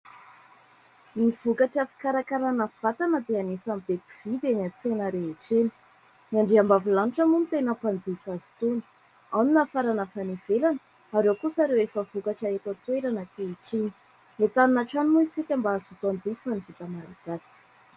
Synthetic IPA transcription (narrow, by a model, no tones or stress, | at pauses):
niv̥ukaʈ͡ʂəfi̥kaɾakaɾanəv̥at̪anəd̪eanesambepiv̥id̪enat͡senəɾeeʈ͡ʂenə̥ | niaɳɖ͡ʐiambavilaniʈ͡ʂamunit̪enəpand͡zifazi̥t̪unə̥ | awninafaɾanəfanevelanə | aɾewkusaɾewefəvukaʈ͡ʂaet̪at̪weɾanakeiʈ͡ʂini̥ | let̪aninaʈ͡ʂanimuisik̪ʲambaːzut̪and͡zifanivit̪amaɾaɡ̥asi̥